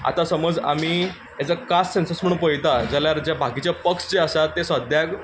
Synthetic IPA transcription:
a̰t̪asəməd͡za̰miː | jat͡sakassensəsm̤əɳupəjt̪ad͡zəljaɾd͡ʑjabʱaɡit͡ɕjapəksd͡ʑeəsat̪ːesʋad̪ʱjak

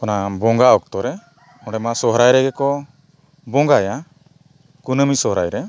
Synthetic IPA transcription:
kɔnabɔŋɡaɔk̚t̪ɔɾɛ | ɔ̃ɖɛmasɔɦɾajɾɛɡɛkɔ | bɔŋɡaja | kunəmisɔɦɾajɾɛ

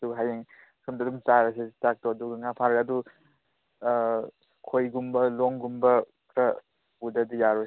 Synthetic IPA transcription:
suɦajeŋ | sʰumdɐdumt͡ʃaɾɐsetak̚toɐduɡɐŋapʰaɾkɐdu | kʰojɡumbɐloŋɡumbɐ | kɾɐ | budɐdijaɾo

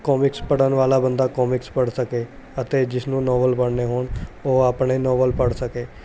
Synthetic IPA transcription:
kɔːmɪkspəɽənʋaːlaːbənd̪aːkɔːmɪkspəɽsəkeːət̪eːd͡ʒɪsnũːnɔːʋəlpəɽneːɦoːɳoːaːpɳeːnɔːʋəlpəɽsəkeː

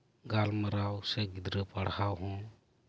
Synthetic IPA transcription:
ɡalməɾawseɡid̪ɾəpəɽhawɦũ

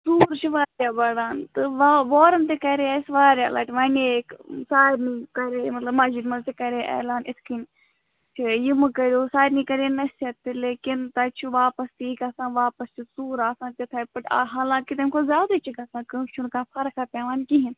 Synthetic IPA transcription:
suːɾt͡ʃʰiʋaːɾjaːbɐɽaːnt̪ɨʋaʋoːɾɐnt̪ekɐɾeaɪsʋaːɾʲja̰ːla̰ːʈiʋaneksaːiɾniːkɐɾeːmɐt̪lɐbmaːd͡ʒidmɐnt̪ekɐɾeːʔɛ̰ːlaːnɪskin | t͡ʃʰijimɐkɐɾʲoːsaːɾniːkɐɾeːnɐsɐt̪ileːkɪnt̪ɐt͡ʃʰuʋaːpɐst̪iːkasãːʋaːpɐst͡ʃʰusuːɾaːsãːt̪et̪ʰaːpɐʈa̰ɦaːlãːkɪt̪emkʰoːzjaːd̪at͡ʃʰikaːsãːkɐʃʰunkãːpʰɐɾkʰaːpʲaːʋaːnkiɦin

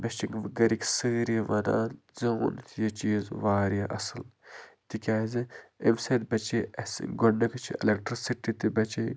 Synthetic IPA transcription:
bɐt͡ʃiŋɡɐɾikʲsɨːɾiʋɐd̪a̰ːzɐːnt̪ʰjɐt͡ʃiːzʋaːɾjaʔɐsɨlt̪ikʲaːziemsed̪̚bɐt͡ʃiɐsɡonɐkt͡ʃʰḭḛlekʈɾisiʈit̪ibɐt͡ʃi

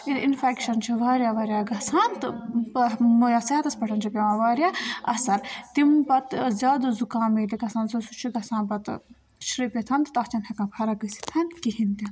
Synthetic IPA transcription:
id̪infɛːkʃɐnt͡ʃʰiʋaːɾʲjaːʋaːɾjaːɡɐsaːnt̪ɨ | mujaːsaːt̪ɐspɐʈʰɐnt͡ʃʰipʲɐʋãːʋaːɾʲjaːɐ̰sɐɾt̪impɐt̪zʲjaːd̪uzukaːmiliɡɐsãːnsɐsut͡ʃʰiɡɐsãːnpɐt̪ | ʃʰɾipʲet̪ʰɐnt̪t̪ɐt͡ʃɐnʲhɐkãːpʰɐɾakɨsi̥t̪ʰɐnkiɦint̪in

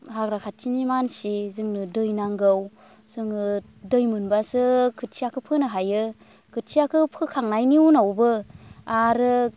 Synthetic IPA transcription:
haɡɾakʰatʰːinimansizɯŋnɯdɯjnaŋɡɯw | sɯŋɯ | dɯjmɯnbasɯkʰɯtʰiakʰɯpʰɯnɯɦajɯ | kʰɯtʰiakʰɯpʰɯkʰaŋnajniunawbɯaɾɯ

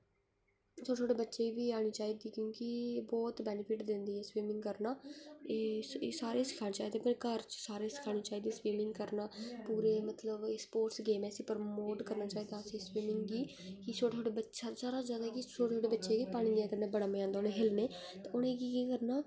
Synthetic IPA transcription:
sʰoːesʰoːɽeːbətːʃeːibiːaːɽ̃iːt͡ʃaːiːd̪iːkjõːkɪbɔːt̪bɛːnɪpʰɪʈd̪ɪ̃nd̪iːɛːswiːmɪ̃ŋɡkəɾnaːeːsːsaːɾeːsɪ̥kʰaːɽeːt͡ʃaːiːd̪eːpɪɾkəɾt͡ʃsaːɾeːsɪ̥kʰaːɽ̃iːt͡ʃaːiːd̪iːswiːmɪ̃ŋɡkəɾnaːpuːɾeːmət̪ləbspoːɾʈsɡeːmɛːsiːpəɾmoːʈkəɾnaːt͡ʃaːiːd̪aːsẽːswiːmɪŋɡɡiː | kɪsʰoːɽeːsʰoːɽeːbətːʃaːsaːɾaːd͡ʒjaːd̪aɦɛːkɪt͡ʃʰoːɽeːsʰoːɽeːbətːʃeːɡiːpaːɽ̃iːãːkəɾnẽːbəɽaːmẽːãːnd̪aːʊnẽːɦɪlneː | t̪aːʔʊnẽːkiːkiːkəɾnaː

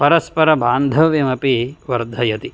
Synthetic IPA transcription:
pɐɾɐspɐɾɐbaːnd̪ʱɐʋjɐmɐpiʋɐɾd̪ʱɐjɐt̪i

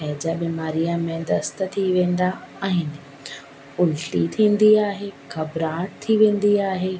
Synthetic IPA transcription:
pɛːd͡ʑabiːmaːɾijamẽd̪ɐst̪ə̆t̪ʰiʋẽːn̆d̪aaːɦɪnɪ̆ | ʊlʈit̪ʰĩːn̆d̪iaːɦeːkʰɐbɾaːʈt̪ʰiʋẽːn̆d̪iaːɦeː

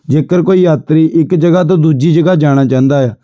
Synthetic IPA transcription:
d͡ʒeːkəɾkoːiːjaːt̪ɾiːʔɪkd͡ʒəɡat̪̬õd̪uːd͡ʒiːd͡ʒəɡaːd͡ʒaːɽ̃aːt͡ʃãːnd̪aːɦɛː

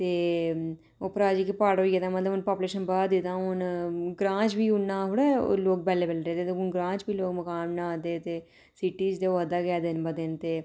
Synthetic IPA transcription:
t̪eː | oːpəɾaːd͡ʒiːkipaːɽoːieːd̪aːmət̪ləbʊnpaːpuleːʃənbaːd̪d̪ɪt̪ãːʊnɡɾãːt͡ʃbiːʊnːãːɦʊɽɛːo̰loːɡ̚bɛːleːbəlɾeːd̪eːt̪eʊnɡɾãːt͡ʃbiːloːɡməkaːmnããːd̪eːt̪eː | siʈiːd͡ʒd̪eːoːəd̪aːɡɛːd̪ɪnbəd̪eːnt̪eː

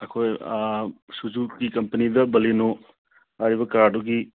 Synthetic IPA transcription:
ɐkʰoj | sud͡ʒuɡikɐmpɐnidɐbɐleno | aɾiβɐkaɾduɡi

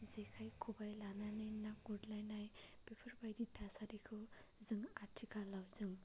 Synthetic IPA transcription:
d͡zekʰajkʰubajlananenakɡuɖlajnajb̥epʰʌrbajd̪it̪ʰasaɾikʰo | d͡zəŋaʈʰːikalawd͡zɯŋ

